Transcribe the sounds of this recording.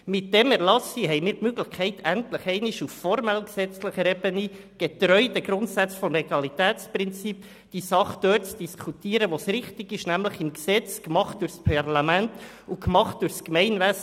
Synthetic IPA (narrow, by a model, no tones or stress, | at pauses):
mɪt̚d̥ɛmɛɾlɑsiɦɛɪmɪːɾtmøɡləχkʰɛɪtʰæntləχɛɪniʃufːɔɾmɛlksɛt͡sləχəɾɛbəni | ɡ̥et̪ɾœʏdəɡ̥ɾʊntsæt͡sfɔmlɛɡɑlitɛːt͡sprɪnt͡sip | d̥isɑχd̪̥øːt͡sd̥iskʰutiːəɾəʋosɾɪχtɪɡɪʃnæmləχɪmksɛt͡skmɑχt̚d̥ʊrspʰɑrlɑmænt | ukmɑχt̚d̥ʊrskmɛɪnʋæs